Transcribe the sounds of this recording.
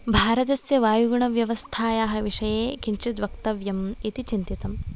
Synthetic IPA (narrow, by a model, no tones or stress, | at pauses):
bʱaːɾɐt̪ɐsjɐʋaːjuɡuɳɐʋjɐʋɐst̪ʰaːjaːɦɐ̆ʋiʂɐjeːkiɲt͡ʃid̪ʋɐkt̪ɐʋjɐmit̪it͡ʃint̪it̪ɐm